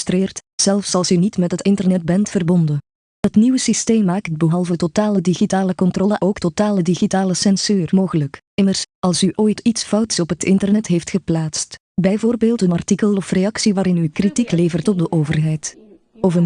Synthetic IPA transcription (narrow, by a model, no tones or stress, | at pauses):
streːrtz̥ɛlˠfsɑlˠsynitmɛtɦətɪntərnɛd̚bɛntfərbɔndə | ɦətniwəsisteːmːaːkt̚bəɦɑlˠvətotaːlədiɣitaːləkɔntrɔləʔoːktotaːlədiɣitaːləsɛnsyːrmoːɣələk | ɪmərsɑlˠsyʔoːjtitsfɑwtsɔpɦətɪntərnɛtɦeftxəplaːtst | bɛjvoːrbeːlˠtənɑrtikəlˠɔfreɑksiʋaːɾɪnykritikleːvərtɔb̚dəʔoːvərɦɛjt | ɔvən